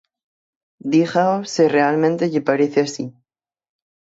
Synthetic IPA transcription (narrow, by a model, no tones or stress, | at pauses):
d̪ixaosere̞almẽnt̪eʎepaɾeθeasi